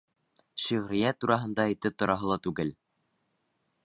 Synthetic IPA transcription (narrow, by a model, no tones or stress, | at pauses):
ʃiʁɾɪ̆jæt̪uɾɑɦɤ̆nd̪ɑejt̪ɘp̚t̪ŏɾɑɦɤlˠɑt̪ʉɡɘl